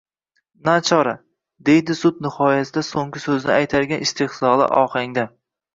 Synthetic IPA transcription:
nat͡ʃʰɒɾa | d̪e̞jd̪ɪsʊd̪nɪhɒjasɪd̪asoŋɡʲɪsɵzɪnɪʔajt̪ʰaɾɡʲanɪst̪ʰɪhsɒlˠɪ̰ʔɒ̰qaŋd̪a

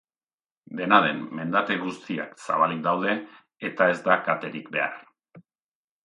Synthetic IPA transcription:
d̪e̞naðe̞mːe̞nd̪at̪e̞ɣust̪ia̰ksa̰βalik̚d̪awðe̞ː | t̪ae̞zd̪akat̪e̞ɾikbe̞aɾ

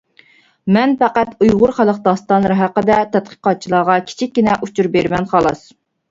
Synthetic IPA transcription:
mɛnpæqæt̪ujʁʊɾχælˠəqd̪ɑst̪ɑnlˠɨɾɨɦæqəd̪ɛt̪ʰɛt̪̚qʰə̥qɑt̪̚t͡ʃʰilˠɑːʁɑkʲʰi̥t͡ʃʰik̚ʲːinɛʔut͡ʃʰuɾbeɾmɛnχɑlˠɑs

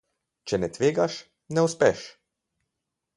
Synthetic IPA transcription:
t͡ʃɛnɛt̪ʋeːɡaʃ | nɛuspɛʃ

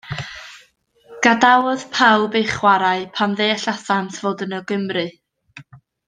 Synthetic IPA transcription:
ɡ̥adawɔð̥pʰawbejχwaɾaɨpʰanðeːɬasantʰv̥oːdənəɡɪmrɨ

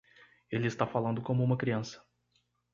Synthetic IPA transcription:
elɪːst̪afalɐ̃nd̪ʊkõmʊũmɐkɾiɐ̃sɐ̥

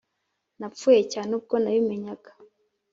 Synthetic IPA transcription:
napfuːje̞caːneub̚ɡo̞naβime̞ɲaɡḁ

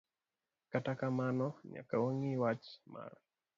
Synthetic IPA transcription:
katakamanɔɲa̰kawoŋiwat͡ʃma̰r

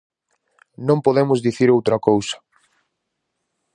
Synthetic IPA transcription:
nõmpoðemʊzðiθiɾowt̪ɾɐkowsɐ̥

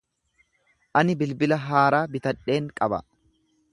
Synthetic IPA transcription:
ʔɐnɪbɪlbɪlɐɦaːɾaːbɪt̪ɐᶑe̞ːŋkʼɐbɐ̰

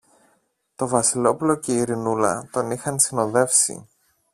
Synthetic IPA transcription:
t̪o̞vɐsilo̞pulo̞ce̞iɾinulɐ̰t̪o̞nixɐnsino̞ðe̞fsḭ

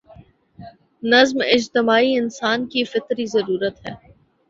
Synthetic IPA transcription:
nɐzmɪd͡ʒt̪ɪmaːiɪnsaːnkifɪt̪ɾizɐɾuːɾət̪ɦɛ̰ː

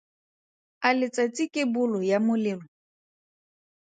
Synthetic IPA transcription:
alɪt͡sʼat͡sʼikʼebʊlʊjamʊlɪːlɔ

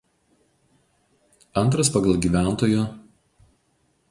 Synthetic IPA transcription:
ɐnt̪ɾɐspɐɡɐlˠɡʲiːˑʋʲæˑnˑt̪oːjʊ

